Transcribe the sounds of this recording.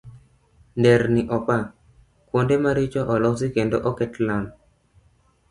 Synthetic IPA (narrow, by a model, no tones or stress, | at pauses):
ndɛɾniʔɔpa | kwondemaɾɪt͡ʃɔʔɔlɔsikendoʔɔkɛtlam